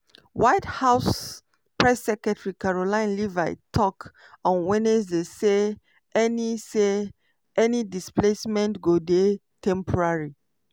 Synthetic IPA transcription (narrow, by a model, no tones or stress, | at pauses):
waɪthaʊs | pɹɛsːɛkɹɛtɹikaɹolãɪ̃nliva̰ɪtʰɔk | ɔ̃nwɛnesdese | ɛnise | ʔɛnidisplesmɛ̃ntɡode | tʰɛ̃mpʰɔɹaɹi